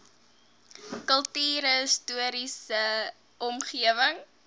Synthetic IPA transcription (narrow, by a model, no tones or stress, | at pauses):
kəlˠtiːɾəstuəɾisə | ʔɔmχiəvəŋ